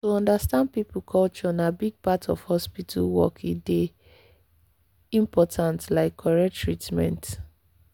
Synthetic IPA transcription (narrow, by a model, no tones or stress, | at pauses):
tuɔ̃ndastãnd̚pipukʰɔlt͡ʃɔnabiɡ̚patɔfhɔspitʰa̰lwɔ̰kʰide | ĩmpɔtʰãntlaɪkʰːɔɹɛk̚tːɹitmɛ̰̃nt